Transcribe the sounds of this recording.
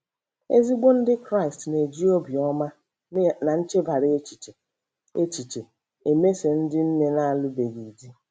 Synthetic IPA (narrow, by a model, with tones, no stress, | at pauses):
e˦zi˦ɡ͡bo˦n̩˦dɪ˦kɾa˦ɪ˨stne˨d͡ʒi˦o˦bi˨ɔ˦ma˦ | na˨n̩˦t͡ʃe˦ba˨ɾɪ˦e˦t͡ʃi̥˨t͡ʃe˨ | e˦t͡ʃi˨t͡ʃe˨ | e˨me˦se˨n̩˦dɪ˦n̩˦ne˦na˦a˦˨lʊ˦be˨ɡi˨di˦